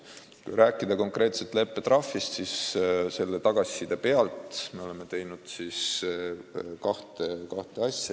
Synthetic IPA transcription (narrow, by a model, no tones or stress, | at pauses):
kṵjɾæːkːˑid̪̥ɑko̞ŋkˑre̞ːt̪set̪ˑle̞pːe̞t̪rɑfːist̪sisse̞lːe̞t̪ɑɡ̥ɑsʲːid̪̥epe̞ɑlt̪me̞o̞le̞me̞t̪e̞jnud̪̥sis | kɑht̪ekɑht̪e̞ɑsʲːjɑ